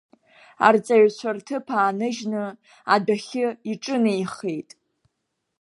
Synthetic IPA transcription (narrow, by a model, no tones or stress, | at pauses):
a̰rt͡sʼaɥt͡ɕʷʰartʰɨpʰaːnɨʒnɨ | adaχʲɪiʈ͡ʂʼɨnejχejtʼ